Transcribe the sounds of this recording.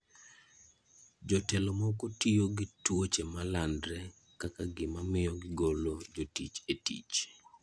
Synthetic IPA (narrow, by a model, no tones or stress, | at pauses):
d͡ʒɔtɛlomɔkotijoɡɪtwot͡ʃemalandɾɛ | kakaɡɪmamɪjɔɡɪɡolod͡ʒotit͡ʃetḭt͡ʃ